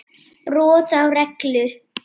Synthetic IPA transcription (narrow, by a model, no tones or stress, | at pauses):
rɔːt̪awrɛklʏ